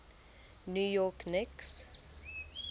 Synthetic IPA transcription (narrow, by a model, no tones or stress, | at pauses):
njujɔknɪks